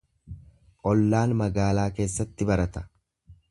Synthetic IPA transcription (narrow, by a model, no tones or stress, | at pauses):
ʔʼɔlːaːnmɐɡaːlaːke̞ːsːɐt̪ːɪbɐɾɐt̪ɐ̥